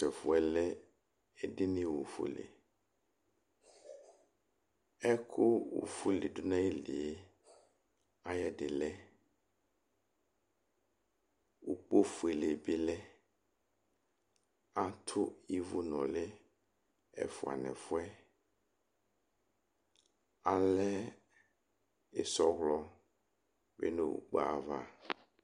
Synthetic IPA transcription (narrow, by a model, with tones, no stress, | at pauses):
sɛ˨fʊ˨ɛ˨lɛ˦ | ɛ˦ɖɪ˦nĩ˦wo˨fṵ˦lḛ˨ | ɛ˦kʰʊ˦wo̰˨fu˦lḛ˨dʊ˦nã˦ji˦lḭ˨e˦ | a˦jɛ˦ɖɪ˨lɛ˦ | wu˨k͡po˦fu˨e˨le˨bi˦lɛ˦ | a˦tʰʊ˦i˦vʊ˦nɔ̃˨lɪ˦ | ɛ̰˨fʊ˨a̰˨nɛ̰̃˨fʊ˦ɛ˦ | a˨lɛ˦ | ɪ˨sɔ˦ɣlɔ˦ | bḛ˦nḛ˦˨wṵ˨k͡pa˨va̰˦